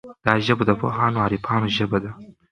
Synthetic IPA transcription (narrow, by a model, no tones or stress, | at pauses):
d̪̥ɑːʒəbod̪ɐpo̰ɦɑːnoɑːɾipʰɑːnoʒəbad̪a